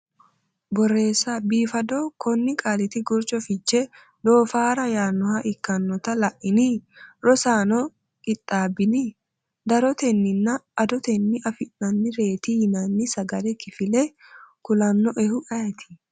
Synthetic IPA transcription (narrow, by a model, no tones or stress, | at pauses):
bɔrːe̞ːsːabiːfɐd̪okʰɔnːɪkʼaːlɪt̪ɪɡʊɾt͡ʃʼɔfɪt͡ʃːɛ | d̪o̞ːfaːɾɐjaːnːɔhɐʔɪkːɐnːɔt̪ɐlɐʔɪniɾɔsaːnɔ | kʼɪt̪ʼːaːbɪni | d̪ɐɾɔt̪ɛnːɪnːɐːd̪ɔt̪ɛnːɪʔɐfɪnːɐnːɪɾe̞ːt̪ihɪnanːɪsɐɡɐlɛkɪfɪlɛkʊlɐnːɔʔɛhʊʔɐjɛt̪ʰɪ̥